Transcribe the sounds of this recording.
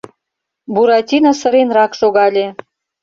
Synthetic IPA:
buɾɑt̪ʲinɑsɤ̆ɾenrɑkʃoɣɑlʲe

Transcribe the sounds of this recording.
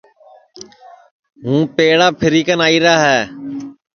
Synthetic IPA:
ɦũːpeːɽaːpʰɪɾiːkənaːiːɾaːɦɛː

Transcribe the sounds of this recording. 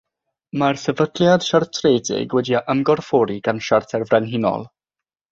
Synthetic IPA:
marsɛvəd̥lˠjad̥ʃartʰreːdɪ̰ɡwɛdiaʔəmɡɔrfɔɾiɡ̥anʃartʰɛrvrɛnɦɪnɔ̰lˠ

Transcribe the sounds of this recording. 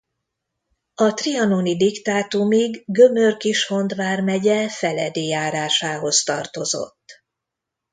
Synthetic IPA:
ɒt̪riɒnonid̪ikt̪aːt̪umiɡːø̞mørkiʃho̞nd̪ʋaːrmɛɟɛfɛlɛ̰d̪eːjaːɾaːʃaːɦo̞zt̪ɒrt̪o̞zo̞̰t̪ː

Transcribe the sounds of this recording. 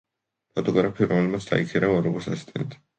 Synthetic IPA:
pʰɔt̪ʼɔɡɾapʰiɾɔmɛlmat̪sʰd̪̥a̰ikʰɛɾaɔɾɔɡɔsasi̥st̪ʼɛ̰nt̪ʰ

